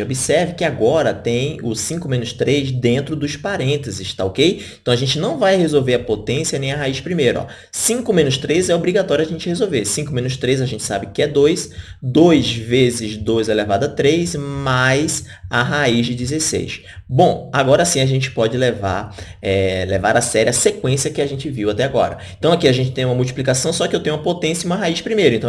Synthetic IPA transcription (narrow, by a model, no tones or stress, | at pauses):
obisɛɾvɪkɪaɡɔɾɐt̪ẽj̃ʊsĩkʊmẽnʊst̪ɾejzd̪ẽnt̪ɾʊd̪ʊspaɾẽnt̪ezɪʃt̪aokejẽt̪ɐ̃w̃aʒẽnt͡ʃɪnɐ̃w̃vajhezowveɾɐpot̪ẽsiɐnẽj̃ɐɦaiʃpɾimejɾʊɔ̰ | sĩkʊmẽnʊst̪ɾezɛobɾiɡat̪ɔɾjʊɐaʒẽnt͡ʃɪhezowveɾsĩkʊmẽnʊst̪ɾejzɐʒẽnt͡ʃɪ̥sabɪkɪɛd̪ojs | d̪ojzvezɪzd̪ojzɛlevad̪ɐt̪ɾejzmajz | aɦaizd͡ʒɪd͡ʒɪzesḛjʃ | bõaɡɔɾɐsĩaʒẽnt͡ʃɪ̥pɔd͡ʒɪleva̰ɾ | ɛlevaɾasɛɾiɐsekwẽsjɐkɪaʒẽnt͡ʃɪviwat̪ɛaɡɔ̰ɾɐ̰ẽnt̪ɐ̃w̃akiaʒẽnt͡ʃɪt̪ẽj̃ũmɐmuwt͡ʃiplikasɐ̃w̃sɔkɪewt̪ẽɲ̃ũmɐpot̪ẽsjɐiũmɐɦaiʃpɾimejɾʊɪ̃ẽt̪ɐ̃